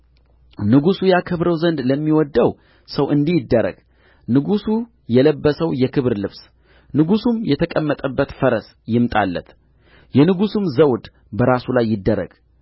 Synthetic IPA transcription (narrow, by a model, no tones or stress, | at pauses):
nɨɡusujakʰɨβɾəwzənd̪ləmːiwɔd̪ːəw | səwʔɨnd̪ijɪd̪ːəɾə̰ɡ̥ | nɨɡusu | jɛləbːəsəwjɛkʰɨβɾlɨβs | nɨɡusumjɛt̪ʰəkʼəmːət̪ʼəbːət̪fəɾəs | jɪmt̪ʼa̰lːə̰t̪ | jɛnɨɡusumzəwd̪ | bəɾasulajːɪd̪ːəɾə̰ɡ̥